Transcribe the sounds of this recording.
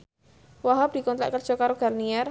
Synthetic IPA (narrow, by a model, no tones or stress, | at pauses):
waɦap̚d̥i̤kɔnt̪ɾa̰ʔkər̥ʒ̥ɔ̤kaɾoɡ̥a̤rniɛr